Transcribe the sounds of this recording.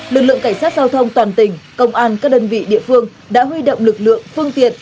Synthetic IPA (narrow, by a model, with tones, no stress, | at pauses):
lɨ˨˩k̚lɨ̰˧˨ə˨ŋka˧˩jsaː˦˥t̚zaː˧wt̪ʰə˧wŋ͡mt̪waː˨˩nt̪ï˧˩ŋ̟kə˧wŋ͡mʔaː˧nkaː˦˥k̚ɗəː˧nvḭ˧˨ɗḭ˧˨əfɨ˧əŋ | ɗa̰ː˧˥ɦwi˧ɗo̰˧˨wŋ͡mlɨ˨˩k̚lɨ̰˧˨əŋfɨ˧əŋt̪i˨˩ən̚